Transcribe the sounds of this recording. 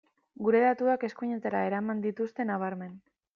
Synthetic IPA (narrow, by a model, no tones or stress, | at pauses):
ɡuɾe̞ðat̪uake̞skuɲet̪eɾae̞ɾamand̪it̪ust̪e̞naβ̞aɾme̞n